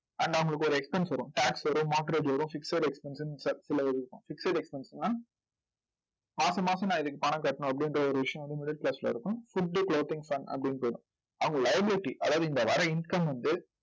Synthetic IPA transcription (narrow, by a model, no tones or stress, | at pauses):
ɐɳɖɐɐŋɡɐɭɯkːɯɔɾɯɛkspɛnsʋɐɾʊ̃ʈaːksʋɐɾʊ̃maːʈɐɾeːd͡ʒʋɐɾʊ̃fɪkseɾɛkspɛnsɯnsɐsɪlɐɪɾɪɾɯkːʊ̃fɪkseɾɛkspɛnsnːaː | maːsɐ̃maːsɐ̃nãːɪðɯkːɯpɐɳɐkːɐʈːɐɳʊ̃ɐp̬ːɐɽɪndɾɐɔɾɯʋɪʂɐjɐ̃ʋɐnd̪ɯmɪɽɪʈ̚plɐslɐ̰ɪɾɯkːʊ̃fʊɖːɯkloːt̪ɪŋfɐnɐ̰pːɐɽɪnːpoːɽʊ̃ | ɐʋɐŋɡɐlɐɪɐbɪlɪʈːiʔɐðaːʋðɯɪnd̪ɐʋɐɾɐɪnkɐmʋɐnd̪ɯ